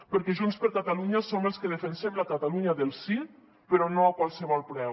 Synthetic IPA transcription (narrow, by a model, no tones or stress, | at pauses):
pəɾkɛʒunspəɾkat̪aluɲasomelˠskəðefensemlakat̪aluɲaðəlˠsi | pəɾɔnoakwalˠsəβɔlˠpɾɛ